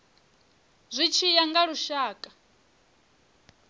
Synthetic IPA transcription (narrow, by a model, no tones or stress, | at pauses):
zʷit͡ʃʰijaŋɡaɺuʃaːkʼa